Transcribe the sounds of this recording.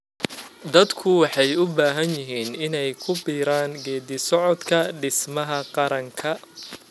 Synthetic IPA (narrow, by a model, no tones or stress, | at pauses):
d̪ɐd̪kʰʊwɑħɑjʊbaːɦɐnjɪɦiːnɪnɛjkʰʊbiːɾaːŋɡɛːd̪ɪsɔʕɔd̪kʰɐɖɪsmɐɦɐqɑɾɐŋkʰɐ